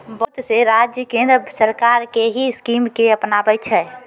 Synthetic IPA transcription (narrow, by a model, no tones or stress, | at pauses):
bət̪seɾad͡ʒjəkẽnd̪ɾəsəɾkaɾkeɦiskimkeəpnabɛt͡ʃʰɛ